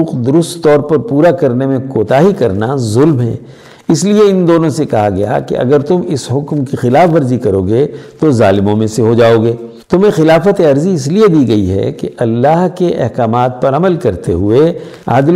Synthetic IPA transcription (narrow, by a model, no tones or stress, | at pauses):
uːqd̪ʊɾʊst̪t̪ːɔːɾpɐɾpuːɾakɐɾnemẽkoːt̪aːɦikɐɾnazʊlmɦɛ̰̃ː | ɪslieɪnd̪oːnõsekɐɦaɡɐja̰kḛʔɐ̰ɡəɾt̪ʊmɪsɦʊkmkixɪlaːfʋɐɾzikɐɾoːɡet̪ozaːlɪmõmẽseɦod͡ʒaːoːɡeː | t̪ʊmẽxɪlaːfət̪eɐɾziɪs̬lied̪iɡɐiɦɛ̰keʔɐlːaːɦkeʔɛ̰ɦkaːmaːt̪̚pɐɾɐməlkɐɾt̪eɦʊe | a̰ːd̪l